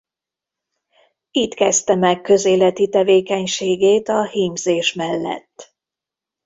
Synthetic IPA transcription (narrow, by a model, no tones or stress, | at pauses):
iːt̪kɛst̪ɛmɛkːø̞zeːlɛt̪it̪ɛveːkɛɲʃeːɡeːt̪ɒhiːmzeːʃmɛlːɛ̰t̪ː